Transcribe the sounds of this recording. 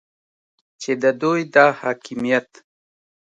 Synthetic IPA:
t͡ʃed̪əd̪ujd̪ɑːhɑːkɪmijat̪

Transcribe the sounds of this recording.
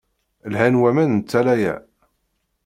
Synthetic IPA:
lhænwæmænnt͡sːælæjæ̰

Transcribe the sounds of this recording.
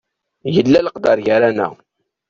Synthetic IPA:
jəlːæləqd̪ɑɾʝaɾænæ̰

